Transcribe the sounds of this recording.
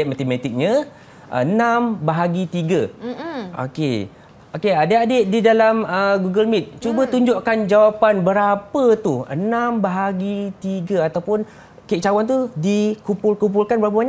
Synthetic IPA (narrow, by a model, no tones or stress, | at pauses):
ɛmat̪emat̪ik̚ɲə̃ | ʔə̰nãmbaɦaɡit̪iɡə | ʔo̰kḛ | okeadəadeʔ̚didalaməɡuɡəlmit̪̚t͡ʃubət̪uɲd͡ʒoʔkand͡ʒawapanbəɾapət̪uə̰nãmbaɦaɡit̪iɡəat̪awpʊn | keʔ̚t͡ʃawant̪udikumpulkump̬ulkanbəɾap̬əbaɲaʔ